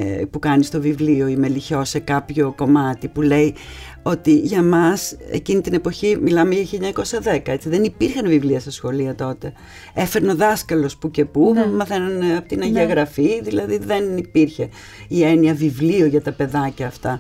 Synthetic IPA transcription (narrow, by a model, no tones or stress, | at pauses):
pukɐnist̪o̞vivlio̞ime̞liço̞se̞kɐpço̞ko̞mɐt̪ipule̞i | o̞t̪iʝɐmɐse̞̰cinit̪ine̞po̞çimilɐmeʝɐçiʎɐɲɐko̞sɐðe̞kɐe̞t͡siðe̞nipiɾçɐnvivliɐsesxo̞liɐt̪o̞t̪e̞ | e̞feɾneo̞ðɐskɐlo̞spuce̞pumɐθe̞nɐneɐpot̪inɐʝiɐɣɾɐfiðilɐðiðe̞nipiɾçe̞ | ieniɐvivlioʝɐt̪ɐpe̞ðɐcɐːft̪ɐ